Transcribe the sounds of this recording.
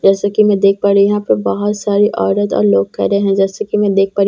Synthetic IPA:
d͡ʒɛːsakimɛ̃d̪eːk̚ʰpaːɾijɐɦãpɐɾbɐɦʊt̪saːɾiʔɔːɾət̪ɔ̰ːɾloːɡ̚kɛ̰ːɾeɦɛ̃d͡ʒɛːsekimɛ̃d̪eːk̚ʰpaːɾ

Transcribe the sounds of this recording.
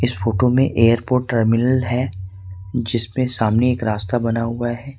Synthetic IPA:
ɪsfoːʈomẽʔeːəɾpoːʈːəɾmɪnəlɦɛː | d͡ʒɪsmẽsaːmneeːkɾaːst̪abɐnaɦuaɦɛː

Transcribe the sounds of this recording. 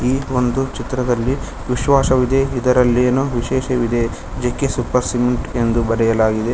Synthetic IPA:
iːo̞nd̪ut͡ʃit̪ɾɐd̪ɐlːi | ʋiʃʋaːʃɐʋid̪eid̪ɐɾɐlːeːnuʋiʃɛːʃɐʋid̪e | d͡ʒekːesupɐɾsimiɳʈe̞nd̪ubɐɾɛjɐlaːɡid̪e̞

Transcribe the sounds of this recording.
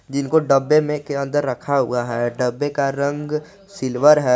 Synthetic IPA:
d͡ʒɪnkoɖəbːemẽkeə̃nd̪əɾːəkʰaɦʊ̰aɦɛɖəbːekaɾə̃ŋɡ | sɪlwəɾɦɛː

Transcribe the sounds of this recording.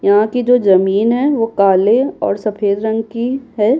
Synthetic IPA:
jɐɦãkid͡ʒoːzɐmiːnɦɛʋokaːleɔ̰ːɾsɐfʰeːd̪ɾɐ̃ŋɡkiɦɛː

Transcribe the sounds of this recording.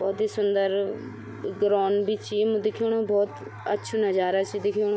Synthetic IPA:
bɔːd̪iːsʊnd̪əɾ | ɡɾɔːnbiːt͡ʃiːm̃d̪ɪkʰoːɽ̃õːbɔːt̪ | ətːʃʰuːnəd͡ʒaːɾat͡ʃiːd̪ɪkʰoːnː

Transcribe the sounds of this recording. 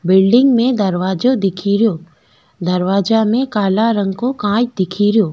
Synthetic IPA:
bɪlɖɪ̃ŋɡmẽd̪ɐɾʋaːd͡ʒod̪ɪkʰiːɾjo | d̪ɐɾʋaːd͡ʒamẽkaːlaɾə̃ŋɡkokãːd͡ʒd̪ɪkʰiːɾɪjoː

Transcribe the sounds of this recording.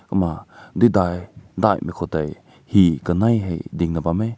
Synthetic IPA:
kəmadidajdajmekʰɔtaj | hikənajɦejdiŋnabame

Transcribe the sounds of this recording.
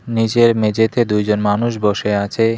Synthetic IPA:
nid͡ʑeɾmed͡ʑet̪ed̪ujd͡ʑonmanuʃboʃeat͡ɕʰe

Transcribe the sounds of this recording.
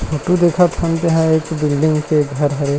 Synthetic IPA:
oːʈud̪eːkʰat̪ʰə̃nt̪eɦɛ̃eːkbɪlɖɪ̃ŋɡkeɡʱɐɾɦɛ

